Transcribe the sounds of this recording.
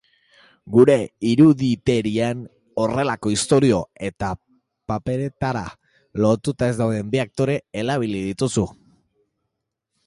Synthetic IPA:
ɡuɾe̞iɾuðit̪e̞ɾien | o̞re̞lako̞ist̪o̞ɾio̞e̞t̪a | pape̞ɾe̞t̪aɾa̰ | lo̞t̪ut̪ae̞zd̪awðe̞mbiak̚t̪o̞ɾe̞ːlaβ̞ilið̞it̪usu

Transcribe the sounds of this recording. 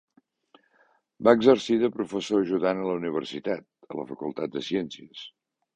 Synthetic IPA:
baəɡzərsiðəpɾufəsoəʒuðanələuniβ̞ərsit̪at̪̚ə̰lə̰fəkulˠt̪at̪̚d̪əsiɛnsiəs

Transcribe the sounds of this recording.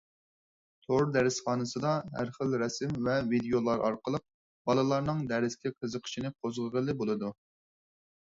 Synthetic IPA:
t̪ʰoɾd̪ɛɾɪsχɑːnɨsɨd̪ɑɦæ̰ɾχəlɾɛsɪmvɛvid̪ejolˠɑɾʔɑ̰ɾqəlˠəq̚ | b̥ɑlˠɨlˠɑɾnɨŋd̪ɛɾɪskʲʰɪqʰəzəqʰə̥ʃinɪqʰozʁəʁəlˠɨbolˠɨd̪u

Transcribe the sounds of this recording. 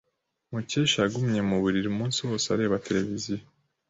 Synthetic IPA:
muceːʃaaɡumɲe̞muβuɾiɾumuːnsiwo̞ːseaɾe̞ːβatʰe̞ɾe̞vizijo

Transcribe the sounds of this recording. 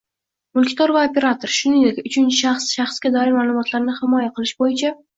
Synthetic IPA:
mʊlˠkʲt̪ʰɒɾvaopʲe̞ɾat̪ʰoɾʃʊnɪŋd̪ekʲʊt͡ʃʰɪnt͡ʃʰɪʃaχsʃɑχsɡʲad̪ɒɪɾmaːlˠʊmɒt̪ʰlaɾnɪhɪmɒjaqʰɨlˠɪʃbojɪt͡ʃʰa

